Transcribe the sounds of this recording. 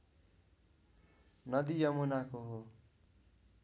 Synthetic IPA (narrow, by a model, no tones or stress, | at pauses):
nʌd̪ijʌmunakoɦo